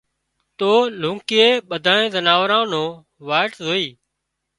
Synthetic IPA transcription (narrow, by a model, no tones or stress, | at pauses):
t̪oːlũŋkieːɓəd̪ʱaːẽːzənaːʋɾãːnõː | ʋaːɪʈzoːiː